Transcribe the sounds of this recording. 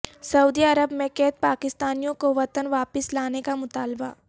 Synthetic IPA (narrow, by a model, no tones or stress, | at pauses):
sɐuːd̪iɐɾəbmẽkɛɦt̪̚paːkɪst̪aːnijõkoʋɐt̪ənʋaːpɪslaːnekamʊt̪aːlba̰